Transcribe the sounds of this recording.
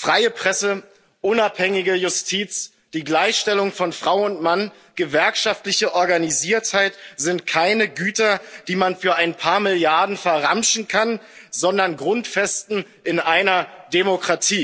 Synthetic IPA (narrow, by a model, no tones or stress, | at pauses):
fʁ̥aɪəpʁ̥ɛsə | ʔʊnaphɛŋɪɡəjʊstʰiːt͡s | d̥iːɡlaɪçʃtɛlʊŋfɔnfʁ̥aʊʊntman | ɡ̥əvɛɐkʃaftlɪçəʔɔɐɡaniziːɐthaɪtz̥ɪntkʰaɪnəɡyːtɐd̥iːmanfyːɐaɪnpʰaːɐmɪljaɐdn̩fɛɐʁamʃn̩kʰanzɔndɐnɡʁʊntfɛstn̩ | ʔɪnʔaɪnɐdemokʁ̥atʰiː